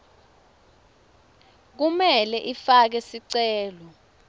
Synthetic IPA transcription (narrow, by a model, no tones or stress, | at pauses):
k̬umɛlɛʔifak̬ɛsiǀɛːlɔ